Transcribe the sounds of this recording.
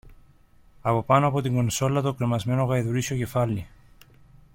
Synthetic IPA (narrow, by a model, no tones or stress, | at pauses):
ɐpo̞pɐnoɐpo̞t̪iŋɡo̞nso̞lɐt̪okɾimɐzme̞no̞ɣɐiðuɾisio̞ce̞fɐlːi